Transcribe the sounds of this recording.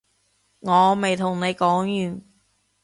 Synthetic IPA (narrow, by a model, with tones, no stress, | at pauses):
ŋɔː˨˧me˨jt̪ʰʊ˨˩ŋne˨˧jkɔː˨˥ŋjyː˨˩n